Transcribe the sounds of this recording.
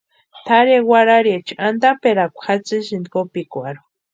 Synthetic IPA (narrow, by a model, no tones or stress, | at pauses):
t̪ʰaɾewaɾaɾiet͡ʃand̪apeɾakʷxat͡sɨʃind̪kopikʷaɾu